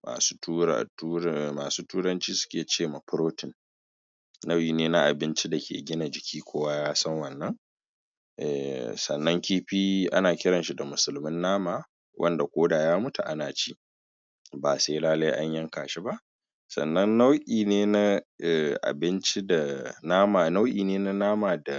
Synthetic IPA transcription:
ma̰ː˨su˦tu˦a̰˨u˦maː˨suː˦tuː˦ɽɐ˦nt͡ʃiː˦sʊ̥˦kʲeː˨t͡ʃeː˦˨ma˨pʊ˦ɾoː˦tɪ˨nː | a˦wʔiː˨neː˦na˦ʔa˨bɪ˦nt͡ʃi˦da˨kʲḛː˨ɡʲɪ˦na˨d͡ʒɪ˨kʲʰiː˦kʷoː˦wa˦jaː˦sɐ˦ŋwɐ˨nːɐ˦ŋ | ʔɛ̰˨sɐ̰˨nːɐ˦ŋkʲiː˦ɸiː˦ʔa̰˦naː˨kʲɪ˦ɽɐ˨nʃi˦da˨mʊ˨sʊ˦lmɪ˦nːaː˦maː˨ | wʔɐ̰˦nda˨kʷoː˦daː˨jaː˦mʊ˦tu˨ʔa˦naː˨t͡ʃiː˦ | baː˨se˦laː˦lɐ˦jʔa˦ɲjɐ˦ŋka̰ː˨ʃi˦ba˦ʔ | sɐ̰˨nːɐ˦nːa˦wʔʲiː˨neː˦na˦ʔɛ˨ʔa̰˨bɪ˦nt͡ʃi˦da˨naː˦ma˨na˦wʔḭː˨neː˦na˦naː˦maː˨da˨

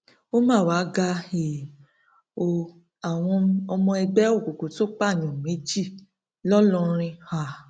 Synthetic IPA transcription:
o˦mãː˦˨wa˨˦ɡa˧e˨ | o˧˨ | a˨w̃ɔ̃˧ɔ˧mɔ̃˧ɛ˧bɛ˦o˦˨ko˨ko˨to˦k͡pa˦˨ɲ̃ɔ̃˨me˨˦d͡ʒi˦˨ | lɔ˦lɔ˦˧˦ɾ̃ĩ˧ha˨

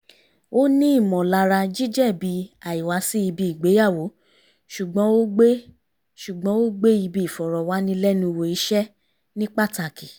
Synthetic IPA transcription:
o˦nĩ˦i˦˨mɔ̃˨la˧ɾa˧d͡ʒi˦d͡ʒɛ˦˨bi˨˦a˨i˨wa˨˦si˦i˧bi˧i˨ɡ͡be˨˦ja˦˨wo˨˦ | ʃu˨ɡ͡bɔ̃˨˦o˦ɡ͡be˦ | ʃu˨ɡ͡bɔ̃˨˦o˦ɡ͡be˦i˧bi˦i˨fɔ˨ɾɔ˨wa˨˦nĩ˦lɛ˦nũ˧˦˧wo˧i˨˦ʃɛ˦ | nĩ˦k͡pa˦˨ta˧˨ki˨

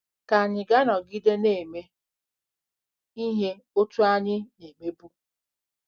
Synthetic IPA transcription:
ka˨ɲɪ˨ɡa˦nɔ˨ɡɪ˦de˦ne˨me˦ | i˦ɦe˦ | o˦tu˦a˦ɲɪ˦ne˨me˦bu˦

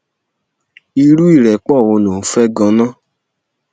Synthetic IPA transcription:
i˧ɾu˦i˦˨ɾɛ˨k͡pɔ˦˨wo˧no˨fɛ˦ɡɔ̃˧nɔ̃˦

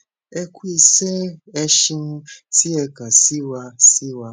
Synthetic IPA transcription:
e˦kʷu˦i˨se˦e˦ʃi˦n̩˦ti˦e˨ka˨si˦wa˦si˦wa˦

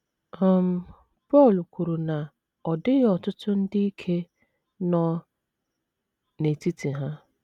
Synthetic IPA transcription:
ɔ˦˨m̩˨ | pɔ˦˨lu˨ku˨ɾu˨na˨ | ɔ˨dɪ˦ɣɔ˨tʊ˦tʊ˦n̩˦dɪ˦i˦kʰe˦ | nɔ˦ | ne˨ti˦ti˨ɦa˦

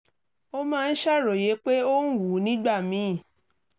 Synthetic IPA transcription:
o˦mãː˦˧n̩˦ʃa˦˨ɾo˨je˨˦k͡pe˦o˦n̩˦wu˨˦nĩ˦ɡ͡ba˦˨mĩ˨˦˨

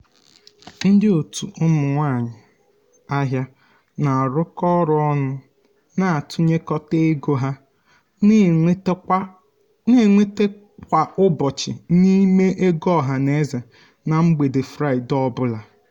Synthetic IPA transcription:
n̩˦dɪ˦o˨tu˨ʔʊ˦mʊ˨ŋʷa˦˨ɲɪ˨ | a˦ɦja˦ | na˨ɾʊ˦kɔ˦ɾʊ˦ɔ˦nʊ˦ | na˨tʰʊ˦ɲe˦kɔ˦te˦ɡo˦ɦa˦ | ne˦˨ŋʷe˦te˦ | k̚ʷa˨ʊ˦bɔ˨t͡ʃɪ̰˨ni˦me˦ʔe˦ɡɔ˦˨ɦa˨ne˦za˨ | na˨ŋ͡m̩˦ɡ͡be˨de˨fɾa˦˨ɪ˨dɔ˦bʊ˦la˨

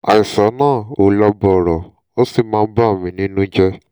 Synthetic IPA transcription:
a̰˨i˨sa˨˦nãː˦˨o˨la˦bɔ˧˨ɾɔ˨ | o˦si˦˨mãː˦˧˦ba˦˨mĩ˨˦nĩ˦nũ˦d͡ʒɛ˦

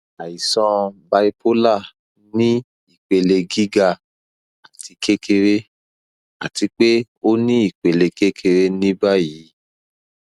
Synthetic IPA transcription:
a˨i˨sɔ̃˧ba˧i˧po˦la˦˨ | nĩ˦ | i˦˨k͡pe˨le˧ɡi˦ɡa˧ | a˨tʰi˨˧kʰe˦kʰe˧ɾe˦ | a̰˨ti˧k͡pe˦ | o˦nĩ˦i˦˨k͡pe˨le˧ke˦kʰe˧ɾe˦nĩ˦ba˦ji˨˦

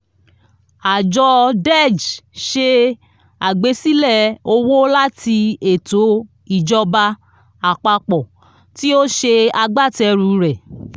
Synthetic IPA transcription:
a˨d͡ʒɔ˧dɛ˦˨d͡ʒʃe˧ | a˨ɡ͡be˧˦si˦lɛ˦˨o˧wo˦la˦ti˧e˨to˨˦ | i˨d͡ʒɔ˧ba˧ | a˨k͡pa˧k͡pɔ˨ | ti˦o˦ʃe˧a˧ɡ͡ba˦˨tɛ˧ɾu˧ɾɛ˨

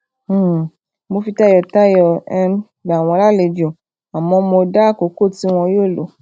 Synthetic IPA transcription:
mo˧fi˧ta˦jɔ˧ta˦jɔ˧ɛ˧m | ba˨w̃ɔ̃˧˦la˦˨le˨˧˨d͡ʒi˨o˨ | a˨mɔ̃˧mo˧da˦˨ko˨˦ko˦˨ti˨˦w̃ɔ̃˧joː˦˨lo˨˦

